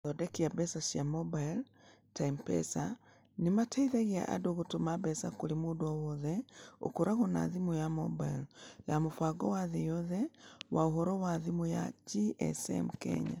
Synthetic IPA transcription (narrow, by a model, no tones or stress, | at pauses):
ðɔdɛkiabɛsasjamobail | taimpɛ̰sa | nimatʰaiðaɣia̰ʔa̰doɣotomabɛsakolimoːdoɔwɔðɛo̰koɾaɣona̰ðimujamo̰bailjamofwaɡɔwaðejɔðɛwaoɦɔɾɔwaðimuja̰d͡ʒiʔɛ̰sɛ̰mkɛ̰ɲa̰